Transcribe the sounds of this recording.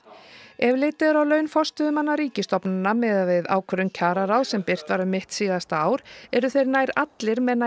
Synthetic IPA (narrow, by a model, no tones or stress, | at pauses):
ɛvlɪt̪ɪðɾawlœːɥnfɔst̪ʏðʏmanːaɾiːcɪst̪ɔpnanːamɛðavɪða̰ːwkʰœɾʏncʰaːɾaɾawðsɛmpɪr̥t̪vaɾʏmɪht̪siːɣast̪aːwɾɛɾʏθejɾnaːjɾat̪lɪɾmɛðna